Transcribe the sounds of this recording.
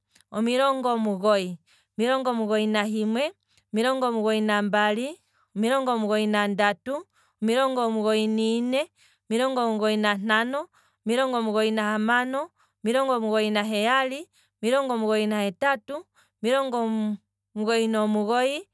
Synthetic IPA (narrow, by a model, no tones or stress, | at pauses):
ɔmiɾɔŋɡɔmuɣɔi | ɔmiɾɔŋɡɔmuɣɔinaɦimwɛ | miɾɔŋɡɔmuɣɔinambali | ɔmiɾɔŋɡɔmuɣɔinandatu | ɔmiɾɔŋɡɔmuɣɔininɛ | ɔmiɾɔŋɡɔmuɣɔinan̥anɔ | miɾɔŋɡɔmuɣɔinahamanɔ | miɾɔŋɡɔmuɣɔinaɦɛjali | ɔmiɾɔŋɡɔmuɣɔinahɛtatu | miɾɔŋɡɔ | muɣɔinɔmuɣɔi